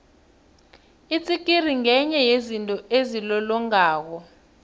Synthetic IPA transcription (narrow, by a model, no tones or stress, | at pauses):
it͡sʼikʼiriŋɛɲɛjezintʼɔezilɔlɔŋaːk̬ɔ